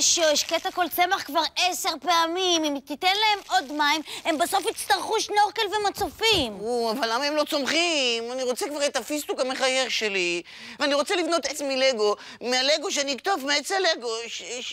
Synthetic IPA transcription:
ʃoeʃket̪ako̞lt͡se̞maχkvaʁese̞ʁpeamimimt̪itenlae̞mo̞dmaime̞mbaso̞fit͡st̪aʁχuʃno̞ʁkelvemat͡sofimuavalːamaemlo̞t͡so̞mχimaniʁo̞t͡sekvaʁet̪afist̪ukameχaje̞ʁʃe̞li | veaniʁo̞t͡selivno̞t̪et͡smileɡo̞ | mealeɡo̞ʃ̬eaniik̚t̪ovmeet͡saleɡo̞ʃ

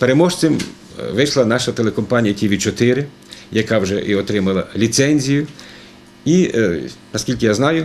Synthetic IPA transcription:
peɾemɔʃt͡s̪ʲɪm | ʋɪʃlˠɐnɑʃɐt̪elˠekɔmpɑnʲijɐtʲiʋʲid̪̚t͡ʃɔt̪ɪɾɪ | jɐkɑwʒɛʔiɔt̪ɾɪmɐlˠɐlʲit̪sɛnʲzʲijʊ | i | nɐskʲilʲkɪjaznɑjʊ

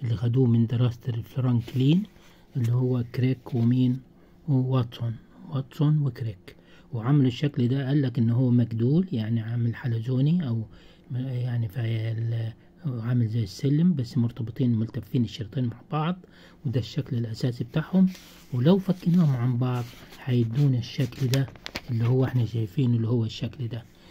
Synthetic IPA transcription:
ʔɪlːixad̪uːmɪnd̪ɪɾˤɑːsft̪ɾˤɑnkliːn | ʔɪlːihʊwːakɾeːkwɪmiːn | wwɑt̪ˤsʊn | wɑt̪ˤsonwɪkɾeːk | wʕamɪlɪʃːaklid̪aʔalːakʔɪnːɦʊːmaɡd̪uːljaʕniʕamɪlħalazoːniʔaw | jaʕnifil | ʕamɪlzajːɪsːɪlːmbasːmʊɾt̪ɑbɨt̪ˤiːnmʊlt̪afːiːnɪʃːɑɾt̪ˤiːnmaʕb̥ɑʕd̪ˤ | wd̪aʃːaklɪlʔasaːsibt̪aːʕhʊm | wlawfakːɪnuːhʊmʕambɑʕðˤħajɪd̪uːnɪʃːakld̪aʔɪlːihʊwːʔɪħnaʃajfiːnʔɪlːihʊwːaʃːakld̪a

